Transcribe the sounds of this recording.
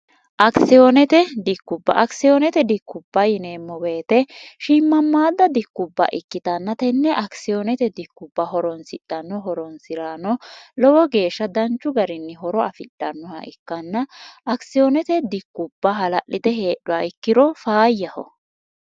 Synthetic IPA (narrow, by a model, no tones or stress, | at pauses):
ʔɐksɪjonɛt̪ɛd̪ɪkːʊbːɐ̰ʔɐksɪjoːnɛt̪ɛd̪ɪkːʊbːɐjɪneːmːɔweːt̪ɛʃɪmːɐmːaːd̪ɐd̪ɪkːʊbːɐ̰ʔɪkːɪt̪ɐnːɐt̪ɛnːɛʔɐksɪjonɛt̪ɛd̪ɪkːʊbːɐɦɔɾɔnsɪɗɐnːɔɦɔɾɔnsɪɾaːnɔlɔwɔɡe̞ːʃːɐd̪ɐnt͡ʃːʊɡɐɾɪnːɛɦɔɾɔɐfɪɗɐnːɔhɐ̰ʔɪkːɐnːɐʔɐksɪjonɛt̪ɛd̪ɪkːʊbːɐɦɐlɐʔːɪd̪ɛhe̞ːɗʊɐɪkːɪɾɔfaːjːɐhɔ̰